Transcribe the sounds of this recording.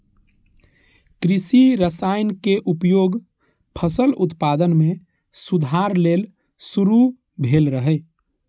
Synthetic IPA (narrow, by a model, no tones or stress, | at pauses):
kɾɪsiɾəsaɪnkeʔupjoːɡ | pʰəsəlʊt̪pad̪ənmẽ | sud̪ʱaɾleːl | suɾu | bʱeːlɾəɦɛ